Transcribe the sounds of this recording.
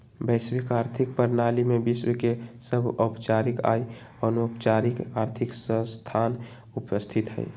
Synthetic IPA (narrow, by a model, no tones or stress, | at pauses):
bɛɪswikaːɾt̪ʰɪk̚pəɾnaːlimẽbɪswekesəbʱɔpt͡ʃaːɾɪka̰ːi | ɔːnpt͡ʃaːɾɪkaːɾt̪ʰɪksə̃st̪ʰaːn | ʊpəst̪ʰɪt̪ɦɛ̰